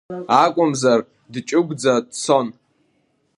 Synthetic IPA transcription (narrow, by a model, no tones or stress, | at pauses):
akʷʼʊmzar | dt͡ʃʼʊɡʷʼd͡zadt͡sʰon